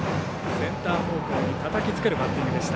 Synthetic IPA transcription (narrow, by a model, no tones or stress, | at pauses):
sẽ̞nt̪aːbo̞ːkoːɲ̟it̪at̪akʲit͡sɨ̥ke̞ɾɯ̟batːĩŋɡɯd̪e̞ɕi̥t̪a